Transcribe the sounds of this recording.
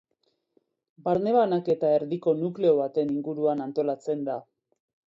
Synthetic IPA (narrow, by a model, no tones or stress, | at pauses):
baɾne̞βanake̞t̪ae̞ɾðiko̞nukle̞o̞βat̪e̞niŋɡuɾuanant̪o̞lat͡se̞nd̪a